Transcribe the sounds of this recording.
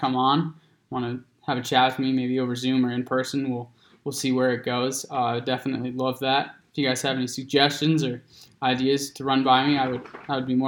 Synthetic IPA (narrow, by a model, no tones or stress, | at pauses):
kʰʌ̃mə̃n | wɑ̃ñɨ | əvɨt͡ʃʰæt̚fəmimeɪbioʊvə˞zʉ̃mə˞ɨ̃npʰɜ˞sɨ̃n̩wɪlˠ | wɪlˠsiwə˞ɨt̚ɡ̥oʊz̥aɪdɛfənɨ̰tˡlilʌvðæt̚ɪfjɨɡaɪz̥ɨvɛnisɨɡ̚d͡ʒɛst͡ʃɨ̃nzə˞aɪdiɨz̥tʰɨɹʌ̃nbaɪmiaɪwɨdaɪwəd̚bimɔ